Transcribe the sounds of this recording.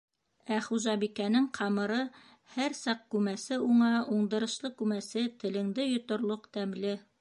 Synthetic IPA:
æχuʒɑbikænɘŋqʰɑmɤ̆ɾɤ | hæɾsɑq̚kʉmæsɘuɴɑuɴd̪ɤ̆ɾɤ̆ʃlˠɤkʉmæsɘt̪ɘ̆lɘ̆ŋd̪ɘjŏt̪ŏɾlˠoqt̪æmlɘ

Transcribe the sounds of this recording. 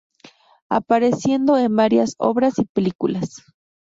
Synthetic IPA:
a̰paɾesje̞nd̪oenbaɾjaso̰βɾasipelikulas

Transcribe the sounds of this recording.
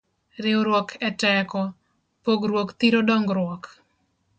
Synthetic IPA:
ɾɪɔɾwɔkʰɛtɛkɔ | poɡɾwokt̪iɾodɔŋɡɾwɔk

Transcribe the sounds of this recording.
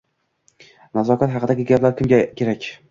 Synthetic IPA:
nazɒkʰʲat̪ɦɑqɨd̪aɡʲɪɡʲaplaɾkʲʰɪmɡʲakʲʰe̞ɾakʲ

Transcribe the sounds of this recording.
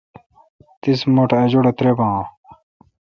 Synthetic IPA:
t̪ismoʈʰɐd͡ʑoɽɐt̪ɾebã

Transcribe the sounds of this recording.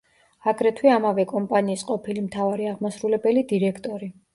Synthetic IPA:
aɡɾɛt̪ʰwiamavɛkʼɔmpʼaniːsqʼɔpʰilimt̪ʰavaɾiaʁmasɾulɛbɛlid̪iɾɛkʰt̪ʼɔɾi

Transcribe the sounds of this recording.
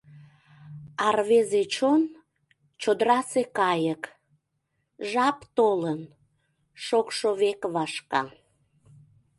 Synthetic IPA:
ɑrβezet͡ɕon | t͡ɕod̪əɾɑsekɑjək | ʒɑpt̪olən | ʃokʃoβekβɑʃkɑ̰

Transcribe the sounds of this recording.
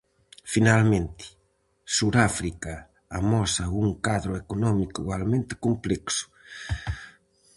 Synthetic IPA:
finalmẽnt̪i̥ | suɾafɾika | amɔsauŋkaðɾoekonɔmikuɣwalmẽnt̪e̥komplɛksʊ̥

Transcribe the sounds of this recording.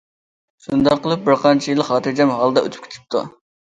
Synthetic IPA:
ʃund̪ɑqːəlˠɨp̚bɪɾqʰɑnt͡ʃʰijilˠːəhɑːt̪ɨɾd͡ʒɛmɦɑlˠd̪ɑø̰t̪ʰp̚kʲʰe̥t̪ʰy̥p̚t̪ʰṵ

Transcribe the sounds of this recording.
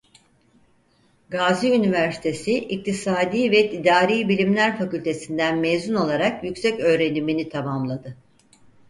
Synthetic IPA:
ɡaːziynivæɾsi̥t̪ʰe̞siʔic̚t̪ʰisaːd̪iːvɛt̪ʰid̪aːɾiːbilʲimlʲæɾfacylʲt̪ʰe̞sind̪ænmejzuno̞lˠaɾakjycsɛcø̞ːɾe̞niminit̪ʰamamlˠad̪ɯ

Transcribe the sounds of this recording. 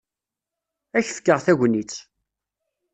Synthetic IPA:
æçfkːəʁθæʝʷnit͡sː

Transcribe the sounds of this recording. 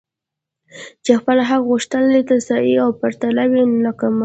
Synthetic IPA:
t͡ʃexpəlaɦaqɣuʂt̪ənad̪et̪asɑjiawpaɾt̪alawilakama

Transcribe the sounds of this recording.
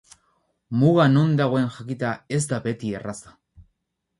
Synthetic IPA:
muɣano̞nd̪aɣ̞o̞e̞nʝakit̪ae̞zd̪abe̞t̪ie̞rasḁ

